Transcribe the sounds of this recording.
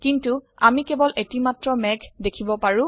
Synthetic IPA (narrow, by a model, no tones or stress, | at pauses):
kintuamikebɔlʔetimatɹɔmɛɡdekʰibɔpaɹʊ̃